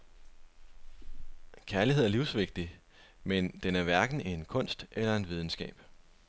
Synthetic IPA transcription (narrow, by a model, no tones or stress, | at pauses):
kʰæɐliɦeð̰ˠɐliʊsʋe̝ɡ̥̚d̥i | mend̥enæɐʋæɐɡ̥n̩inkʰɔ̽n̰sd̥ʔelɐe̝d̥ʋið̞ˠn̩sɡ̥ɛ̰ːb̥